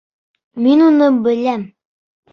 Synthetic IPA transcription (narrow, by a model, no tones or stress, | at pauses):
minunɤbɘ̆læm